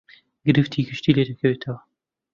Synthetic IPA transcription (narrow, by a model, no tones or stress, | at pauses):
ɡɨɾɨft̪ʰiɡɨʃt̪iled̪ɐkʰɐwet̪ʰɐwɐ